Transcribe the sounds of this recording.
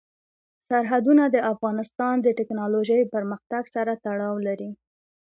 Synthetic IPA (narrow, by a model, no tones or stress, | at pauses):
saɾɦad̪unad̪əafɣɑnɪst̪ɑnd̪əʈɪknɑloʒəjpəɾməxt̪aɡsaɾat̪aɽɑwlaɾi